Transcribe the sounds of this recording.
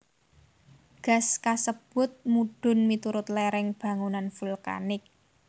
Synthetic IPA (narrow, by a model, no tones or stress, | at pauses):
ɡ̥a̤skasəb̥ʊ̤t̪̚muɖ̥ʊ̤nmit̪uɾʊt̪̚leɾɪŋb̥a̤ŋunanfulka̰nɪk̚